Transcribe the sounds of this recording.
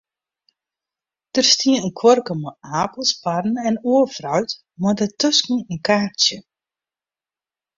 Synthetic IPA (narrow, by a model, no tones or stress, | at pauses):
d̥ərstiənənkʰwɔrkəmaaːpəlˠspadn̩ɛnuəfrœɥt | madətøskn̩ənkaːrtjə